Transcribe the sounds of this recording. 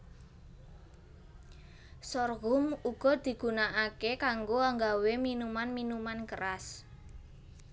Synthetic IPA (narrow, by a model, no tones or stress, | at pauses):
sɔrɣʊmuɡ̥ɔ̤d̪̥i̤ɡ̥ṳnaʔakekaŋɡoaŋɡaweminumanminumankəɾas